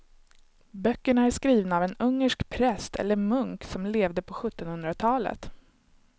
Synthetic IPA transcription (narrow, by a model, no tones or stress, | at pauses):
bœkːəɳaæʂkɾiːvnaːvɛnɵŋːəʂkpʰɾɛst̪ʰɛ̰lːəɾmɵŋksɔmleːvd̪əpʰɔɧɵt̪ːɔnhɵnd̪ɾat̪ʰɑːlə̰t̪